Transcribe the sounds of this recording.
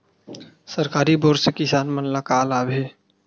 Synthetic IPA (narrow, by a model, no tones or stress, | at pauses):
səɾkaːɾiboːɾsekɪsaːnmənlakaːlaːbeː